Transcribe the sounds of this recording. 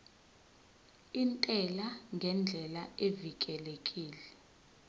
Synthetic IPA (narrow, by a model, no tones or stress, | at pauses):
intʼɛlaŋɡʱɛnd͡ɮʱɛlaevik̬ʼɛlekʼiːlɛ